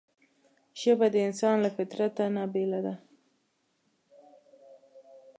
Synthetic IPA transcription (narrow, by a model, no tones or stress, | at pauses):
ʃəbad̪əɪnsɑnlafɪt̪ɾat̪anabelad̪a